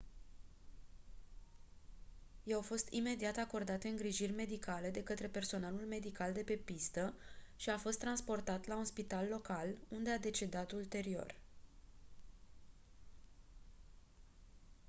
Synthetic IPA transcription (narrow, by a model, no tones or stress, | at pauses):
jawfo̞st̪ime̞d̪iat̪ako̞rd̪at̪eɨŋɡɾiʒirʲme̞d̪ikale̞d̪e̞kət̪ɾe̞pe̞rso̞nalulme̞d̪ikald̪e̞pe̞pist̪əʃiafo̞st̪ːɾanspo̞rt̪at̪launspit̪alːo̞kalund̪e̞ad̪e̞t͡ʃe̞d̪at̪ult̪e̞ɾio̞̰r